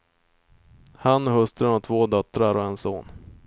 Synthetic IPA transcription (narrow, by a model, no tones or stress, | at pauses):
hanːɔɦhɵst̪ɾənɔt̪ʰvoːd̪œt̪ːɾaɾɔɛnsoːn